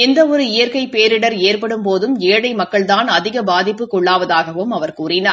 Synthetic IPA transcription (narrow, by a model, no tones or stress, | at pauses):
ɛnd̪ɐɔɾɯɪjɐɾkɐɪpeːɾɪɽɐɾeːrpɐɽɯmpoːðɯmeːɽɐɪmɐkːɐɭt̪aːnɐðɪɣɐbaːðɪpːɯkːɔɭːaːʋɐðaːɣɐʋɯmɐʋɐɾkuːrɪnaː